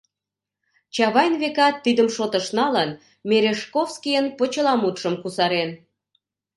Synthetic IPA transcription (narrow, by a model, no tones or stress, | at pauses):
t͡ɕɑβɑjnβekɑt̪ːid̪əmʃot̪əʃnɑlən | mʲeɾeʃkofskijənpot͡ɕə̆lɑmut̪ʃəmkusɑɾen